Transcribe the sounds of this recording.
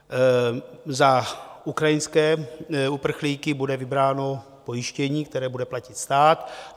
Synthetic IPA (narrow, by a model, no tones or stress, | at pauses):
zaukɾajɪnskɛːupr̩xliːkɪbudɛvɪbɾaːno̞ | po̞jɪʃcɛɲiːk̚t̪ɛɾɛːbudɛplacɪt̪st̪aːt̪